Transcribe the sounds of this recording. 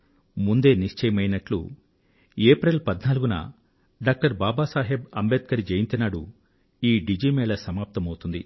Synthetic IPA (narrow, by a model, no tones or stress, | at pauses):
mund̪e̞ːniʂt͡ʃɐjɐmɐjnɐʈlṵ | eːpɾɐlpɐd̪naːluɡunɐ̰ | ɖaːk̚ʈɐɾbaːbaːsaːɦebɐmbeːt̪̚kɐɾid͡ʒejint̪ɐnaːɽṵ | iːɖid͡ʒiːmɛːɖɐsɐmaːp̚t̪ɐmɐwt̪und̪ḭ